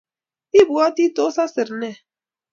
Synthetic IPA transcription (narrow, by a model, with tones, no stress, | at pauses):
i˦˨bu˨a˦ti˦to˦sa˦sɨ˨ɾnɛ˦˨